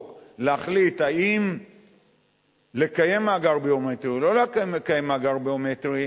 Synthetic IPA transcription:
leaχlithaim | lekaje̞maɡaʁbiometʁilo̞lekekajemaɡaʁbiometʁi

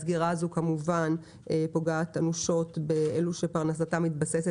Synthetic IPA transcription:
sɡiʁazukamuvan | po̞ɡaːt̪anuʃo̞tbeeluʃepaʁnas̬atamːit̪base̞se

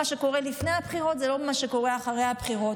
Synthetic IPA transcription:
aʃe̞ko̞ʁelifnejabχiʁo̞t̪zelo̞maʃeko̞ʁeaχaʁejhabχiʁo̞t

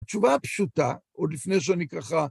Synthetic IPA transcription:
t͡ʃuvapʃuta̰ | od̪lifnejʃ̬eanikaχa

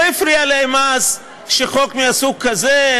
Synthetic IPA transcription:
hifɾialeemaz | ʃeχokmiasuk̚kːaze

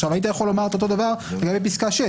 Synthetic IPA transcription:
ʃavait̪̬ajaχo̞lomaʁet̪ot̪o̞d̪avaʁleɡambep̬iskaʃe

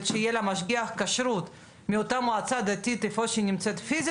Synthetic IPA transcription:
t̪ʃeijelamaʃɡiaχkaʃɾut̪ | miot̪amoat͡sad̪at̪it̪efoʃinimt͡set̪fiz

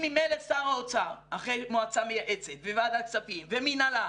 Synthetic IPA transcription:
mimelesaʁaot͡saʁaχejmoat͡samejaʔe̞t͡set̪vevad̪alkt͡sapimveminala

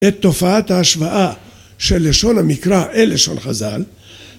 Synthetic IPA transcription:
et̪ːo̞faat̪haːʃvaʔa | ʃe̞lːeʃo̞namikʁaʔeleʃo̰nχa̰za̰l

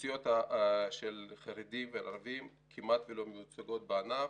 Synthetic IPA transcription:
sijo̞t̪aʃelχaɾed̪imvelaɾvim | kʰimat̪velo̞mejut͡saɡo̞t̪̚beana

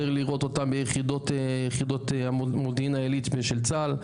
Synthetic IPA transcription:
eʁliʁo̞t̪o̞t̪ambejeχid̪o̞t̪ejeχid̪o̞t̪amodinaelit̪beʃelt͡sal

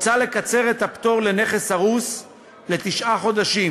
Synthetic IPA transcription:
t͡sale̞kat͡se̞ʁet̪apt̪o̞ʁle̞ne̞χe̞shaʁus | le̞t̪iʃʔaχo̞d̪aʃim

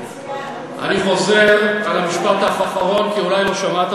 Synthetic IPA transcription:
ʔa̰niχo̞zeʁalamiʃpat̪aχaχaʁo̞nkiulajlo̞ʃamat̪

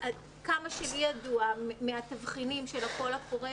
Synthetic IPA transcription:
ʔad | kamaʃelijaduameatavχinimʃelako̞lafoʁe

